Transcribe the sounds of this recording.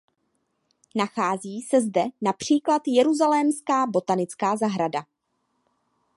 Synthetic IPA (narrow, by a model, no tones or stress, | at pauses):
naxaːziːsɛzdɛnapr̝̥iːklat̪jɛɾuzalɛːmskaːbo̞t̪anɪt͡skaːzaɦɾada